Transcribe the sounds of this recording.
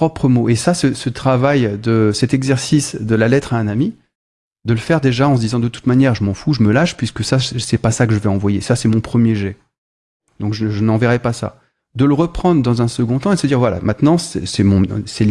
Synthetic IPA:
ɔpχəmoʔesasəsət̪χavajd̪əsɛt̪ɛɡzɛʁsisd̪əlalɛt̪χaɛ̃nami | d̪ələfɛʁd̪eʒaɑ̃səd̪izɑ̃d̪ət̪u̥t̪manjɛʁʒəmɑ̃fuʒəməlaʃpɥiskəsasɛpasakəʒəvɛɑ̃vwajesasɛmɔ̃pχəmjeʒɛ | d̪̥ɔ̃kʒəʒənɑ̃vɛʁɛpasa̰ | d̪ələʁəpχɑ̃d̪ʁəd̪ɑ̃zɛ̃səɡɔ̃t̪ɑ̃ed̪əsəd̪iʁvwala̰mɛ̃t̪nɑ̃sɛsɛmɔ̃sɛl

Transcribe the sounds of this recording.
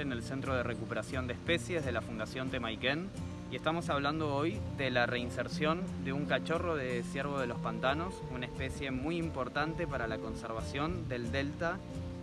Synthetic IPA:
enelsent̪ɾo̞ð̞e̞rekupeɾasjo̞nd̪espesje̞zð̞e̞lafund̪asjo̞nt̪emajken | ie̞st̪amo̞saβ̞land̪o̞ojd̪elareinseɾsjo̞nd̪e̞uŋkat͡ʃo̞ro̞ðesjeɾβ̞o̞ðe̞lo̞spant̪ano̞sunaespe̞sje̞mujimpo̞ɾt̪ant̪e̞paɾalako̞nseɾβ̞asjo̞nd̪e̞ld̪e̞lt̪a

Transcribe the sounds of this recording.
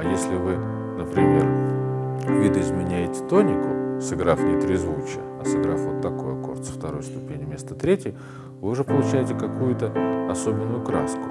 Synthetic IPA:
ɐjesʲlʲɪvɨ | nəpɾʲɪmʲe̞r | vʲid̪əɪzmʲɪnʲæjɪtʲɪ̥t̪o̞nʲɪkʊsɨɡɾafnʲɪt̪ɾʲɪzvut͡ɕɪ | ɐsɨɡɾafvot̪ːɐko̞jɐko̞̰rt̪sft̪ɐɾo̞jst̪ʊpʲenʲɪmʲe̞st̪ət̪ɾʲetʲjəə | vɨʊʐɛpəlˠʊt͡ɕæjɪtʲɪkɐkujʊt̪əɐso̞bʲɪnːʊjʊkɾa̰skʊ̥

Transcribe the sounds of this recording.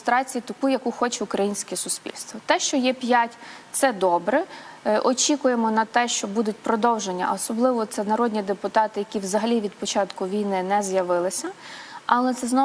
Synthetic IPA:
st̪ɾɑt͡sʲijit̪ɐkujɐkuxɔt͡ʃɛʊkɾɐjinʲsʲkɛsʊspʲḭlʲst̪ʋɔt̪ɛʃt͡ʃɔjɛpʲjatʲt̪sɛd̪ɔbɾɛʔɔt͡ʃʲikʊje̞mɔnɐt̪ɛʃt͡ʃɔbud̪ʊt̚ʲpɾɔd̪ɔwʒenʲːɐ̰ɔsɔblˠɪʋɔt̪sɛnɐɾɔd̪ʲnʲid̪epʊt̪ɑt̪ɪjɐkʲiwzɐɦɐlʲiʋʲid̪̚pɔt͡ʃɑt̪kʊʋʲijnɪnɛzjɐʋɪlˠɪsʲɐɐlˠɛt̪sɛznɔ

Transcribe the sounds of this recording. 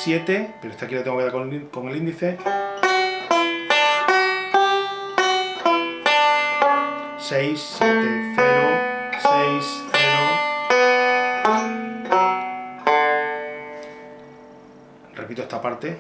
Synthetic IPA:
sje̞t̪epeɾoest̪akilat̪eŋɡokeðaɾko̞ŋelind̪iθe̞ | sejsːje̞t̪eθeɾosejseno | repit̪oest̪apaɾt̪e

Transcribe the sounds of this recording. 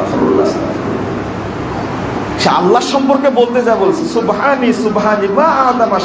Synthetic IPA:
foɾ̰lːa̰sla̰t̪ | ʃea̰lːaɾʃɔmpoɾkebolt̪ed͡ʑaebolt͡ɕʰensubɦanisubɦanibaʔaːd̪amaʃ

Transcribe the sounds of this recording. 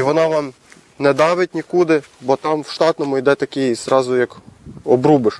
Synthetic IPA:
iʋɔnɑʋɑm | nɛd̪ɑʋɪt̚ʲnʲikud̪ɪbɔt̪ɑmwʃt̪ɑt̪nɔmʊjd̪ɛt̪ɐkʲɪjizɾɑzʊjɐkɔbɾubɪʃ

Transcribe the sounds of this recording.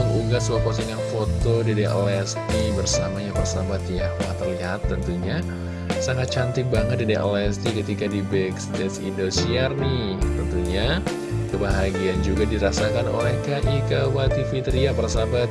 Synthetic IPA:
əŋuɡaswokosiŋanfot̪odedeʔlɛs | nibərsamaɲapərsabat̪jahmaat̪ərliɦat̪ːənt̪uɲa | saŋat̪̚t͡ʃant̪ɪk̚baŋət̪̚dideʔolɛst̪ikət̪ikadibɛksdɛsindosiarni | t̪ənt̪uɲa | kəbaɦaɡiand͡ʒuɡadiɾasakano̰lɛhkaʔikawat̪ifit̪əɾiapərsabat̪̚

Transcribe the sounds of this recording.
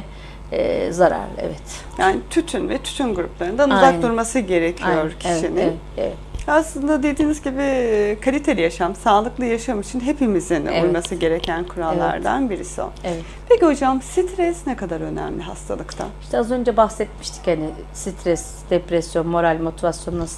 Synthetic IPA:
ɛ̰zaɾa̰ɾlɛ̰vɛt̪ | jaːnit̪ʰyt̪ʰynvɛt̪ʰy̥t̪ʰynɡuɾṵplˠaɾɯnd̪anuzak̚dd̪uɾmasɯɟe̞ɾecʰijo̞ɾcʰiʃinɪnɛ | ḛvɛ | aslˠɯnd̪ad̪e̞d̪iːnizɟibikʰalʲit̪ʰelʲijaʃamsaːlˠɯklˠɯjaʃamɯʃʰɯnɦepimizinujmasɯɟe̞ɾecʰænkʰuɾalˠːa̰ɾd̪a̰nbiɾisio̰nɛvɛ | pʰe̞ciho̞d͡ʒamɯmsit̪ʰɾɛsnɛkad̪aɾø̞næ̰mlʲiɦa̰st̪ʰa̰lˠɯkt̪ʰa̰i̥ʃt̪ʰɛazø̞nd͡ʒɛbaxsɛt̪̚miʃt̪ʰi̥chanɪ | sit̪ɾɛs | d̪̥epɾɛsjo̞nmo̞ɾalʲmo̞t̪ʰivasjo̞nnas

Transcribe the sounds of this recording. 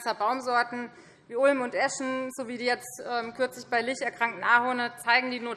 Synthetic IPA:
sɐbaʊmzɔɐtn̩ | viːʔʊlmʊntʔɛʃn̩zoviːdiːjɛt͡stʔɛːmkʰʏɐt͡slɪçb̥aɪlɪçtɛɐkʁ̥aŋk̚tn̩ʔaːhonət͡saɪɡŋ̩diːnuːɐ

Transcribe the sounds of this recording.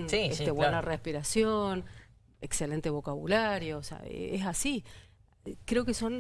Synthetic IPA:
nsieeβwenarehpiɾasjon | ekselent̪eβo̞kaβṵlaɾjosḛa̰ḛesasi | kɾeokeso̞n

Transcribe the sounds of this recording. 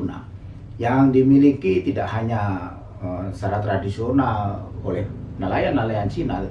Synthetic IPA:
na̰ | jaŋdimilikit̪idaʔhaɲa | əsaɾat̪ɾadisionalolɛhnalajanːalajant͡ʃinal

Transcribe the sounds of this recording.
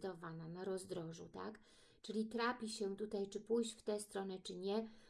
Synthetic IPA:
d̪ɔvananaɾɔzd̪ɾɔʐṵt̪a̰k | t͡ʂɘlʲit̪ɾapʲiɕɛt̪ut̪ajt͡ʂɘpujɕt͡ɕft̪ɛst̪ɾɔnɛt͡ʂɘɲɛ

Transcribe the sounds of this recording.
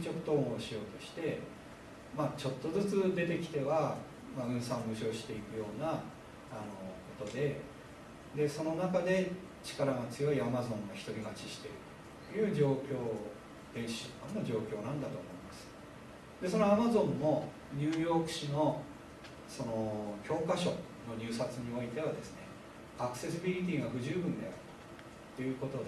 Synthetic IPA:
t͡ɕo̞kɯ̟̥t̪õ̞ːoɕijo̞ːt̪o̞ɕi̥t̪e̞ | mat͡ɕo̞t̪ːo̞zɨt͡sɨd̪e̞t̪e̞kʲi̥t̪e̞βa | maɯ̟̃ɰ̃sãɰobɯ̟ɕo̞ːɕi̥t̪e̞ikɯ̟jo̞ːnaː | no̞ko̞t̪o̞d̪e̞ | d̪e̞so̞no̞nakad̪e̞ | t͡ɕi̥kaɾaɡat͡sɨjo̞iamazõ̞ŋoçi̥t̪o̞ɾʲiɡat͡ɕiɕi̥t̪e̞ɾɯ̟t̪ː | jɯ̟ːd͡ʑo̞ːkʲo̞ː | d̪̥ẽ̞ɰ̃ɕi̥ɕot̪ãnːoʑo̞ːkʲo̞ːnãnd̪at̪o̞ːmo̞imasɨ̥ | d̪e̞so̞noamazõ̞nːo̞ | ɲɨːjo̞ːkɯ̟̥ɕino̞ | so̞no̞kʲo̞ːkaɕo̞̰ | no̞ɲʲɨːsat͡sɨɲ̟io̞it̪e̞β̞ad̪e̞sɨne | akɯ̟̥se̞sɨbʲiɾʲit̪̬ʲiːɡaɡɯ̟ʑɨːbɯ̟̃nd̪eaɾ | t̪ːe̞jɯ̟ːko̞t̪o̞d̪

